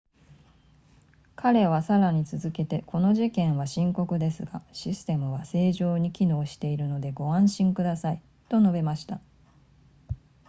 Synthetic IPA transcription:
kʰaɾe̞β̞asaɾaɲ̟it͡sɨzɨke̞t̪e̞kʰo̞no̞ʑikẽ̞ɰ̃βaɕĩŋko̞kɯ̟d̪e̞sɨɡaɕisɨ̥t̪e̞mɯ̟βase̞ːʑo̞ːɲ̟ikʲino̞ːɕi̥t̪e̞iɾɯ̟no̞d̪e̞ɡo̞ãɰ̃ɕĩŋkɯd̪asai | t̪o̞no̞be̞maɕi̥t̪a

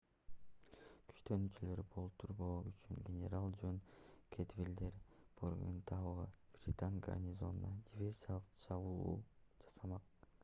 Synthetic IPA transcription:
kʰy̥ʃt̪ønyt͡ʃylø̞ɾibo̞lˠpt̪ʰuɾboːyt͡ʃyŋɡʲenʲḛɾalˠd͡ʒønkʲʰet̪vʲilʲd̪eɾpʰorɡḛnt̪ʰɑʁɑb̥rʲɪt̪aŋɡa̰rnʲɪzo̞nnɑdʲivʲe̞rʲsʲijalˠɯqt͡ʃʰɑβuud͡ʒɑ̥sɑmɑq

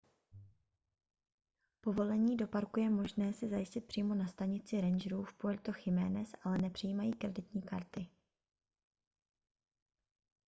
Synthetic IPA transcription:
po̞vo̞lɛɲiːdo̞paɾkujɛmo̞ʒnɛːsɪzajɪscɪt̪̚pr̝̥iːmo̞nast̪aɲɪt͡sɪɾɛnʒɾuːfpoɛlt̪o̞xɪmɛ̰ːnɛsʔalɛnɛpr̝̥ɪjiːmajiːkɾɛdɪt̪ɲiːkaɾt̪ɪ

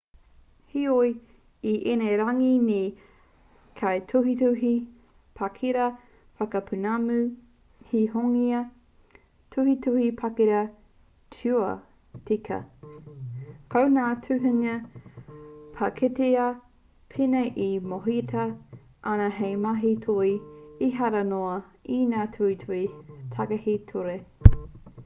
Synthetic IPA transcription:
hioj | iʔeneɾɐŋine | kʰajtʰuɦituɦi | pʰakʰiɾɐ | fɐkɐpʰʉnamʉ | hihoŋiɐ | tʰuhitʰuhipʰɐkiɾɐ | tʰuɐ | tikʰɐ̰ | kʰownaːtʰʉɦʉŋɐ | pʰɐkʰeteɐ | pʰinɐjʔimoɦitʰɐ | ʔɐnɐɦejmaɦitʰojiɦɐɾɐnoɐinaːtʰuhitʰuhitʰɐɡɐhitʰoɾe

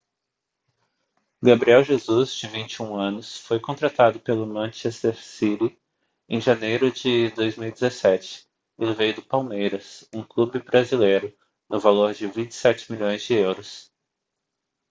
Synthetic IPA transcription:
ɡabɾiɛwʒezuzd͡ʒɪvĩnt͡ʃɪũɐ̃nʊsfojkõnt̪ɾat̪ad̪ʊpelʊmɐ̃ʃɛst̪eɾsili | ẽʒɐnejɾʊd͡ʒɪd̪ojzmiwid͡ʒɪzesɛt͡ʃɪ̥ | elɪvejʊd̪ʊpawmejɾɐsũklubɪbɾazilejɾʊ | nʊvaloɾd͡ʒɪvĩnt͡ʃɪ̥sɛt͡ʃɪ̥miʎõj̃zd͡ʒɪewɾʊs

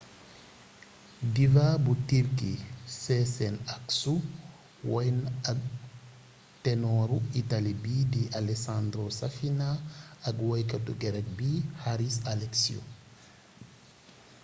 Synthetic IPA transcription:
divabutiɾkḭsɛsɛnaksu | wɔjnak | tɛnɔɾuitalibidiʔalɛsand̪ɾosafinaːkwajkatuɡɛɾɛk̚bihaɾisalɛksiṵ

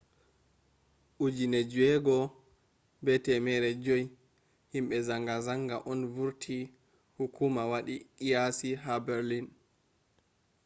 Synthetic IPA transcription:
ʔud͡ʒinɛd͡ʒuɛɡɔ | bɛtɛmɛɾɛd͡ʒoj | himɓɛzaŋɡazaŋɡaʔɔnvuɾtʰi | hukʰumawaɗiijasiɦabɛɾlin

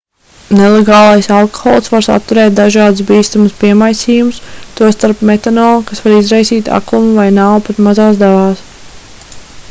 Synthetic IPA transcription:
nelˠeɡɑːlˠajsalˠko̥xɔ̰ːlˠsvaɾsa̰t̪ːuɾɛːt̪̚d̪aʒɑːd̪us̬biːst̪amuspiɛmajsiːjumʊst̪uɔst̪aɾpmet̪anɔːlˠkasvaɾizɾajsiːt̪a̰klˠumuvajnawpat̪mazaːsd̪avaːs

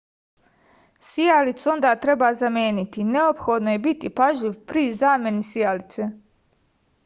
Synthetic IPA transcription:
sijalit̪so̞nd̪aːt̪ɾe̞baːzamjeːnit̪ine̞opxo̞d̪nojebit̪ipaʒiʋpɾizaːme̞nisijalit̪se

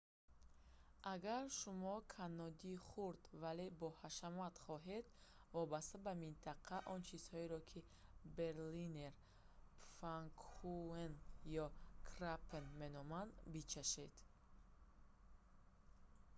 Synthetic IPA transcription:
ʔaɡaɾʃumɔkʰanːɔd̪iχuɾd̪vale̞bɔhaʃamat̪χɔɦed̪ | vɔbast̪abamint̪ʰaqʰaʔɔnt͡ʃʰiz̥hɔiɾɔkʰi | be̞ɾlineɾ | faŋkʰuenjɔkʰɾapʰenmenɔmand̪bit͡ʃʰaʃed̪̥

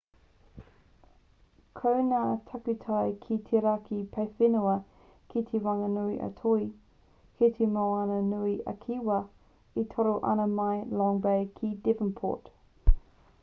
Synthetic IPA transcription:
kʰəwnaːtʰɐkʉtʰajkʰitʰeɾakʰipʰejfɪnuɐ | kit̪ʰewɐŋɐnuiʔɐ̰tʰoi | kʰet̪ʰemawɐnɐnuiʔɐ̰kʰiwɐ | itʰoɾoʔɐ̰nɐmɐjlɔŋbejkʰidɪvənpʰo̰ːt

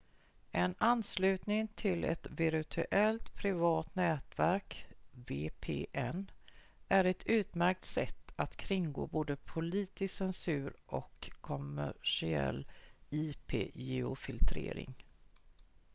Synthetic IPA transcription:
ʔɛnanːslʉ̟ːt̪nɪŋt̪ʰɪlɛ̰t̪vɪɾt̪ʰʉʔɛlt̪pʰɾɪvɑːt̪nɛːt̪væɾkveːpʰeːʔɛn | ʔæɾɛt̪ʰʉ̟ːt̪mæɾk̚t̪sɛt̪ːat̪kʰɾɪŋɡo̰ːboːd̪əpʰʊliːt̪ɪsɛnsʉ̟ːɾʔɔ̰kʰːɔmæ̰ʂɪɛ̰lːiːpʰeːjɛʊfɪlt̪ʰɾḛːɾɪ̰ŋ

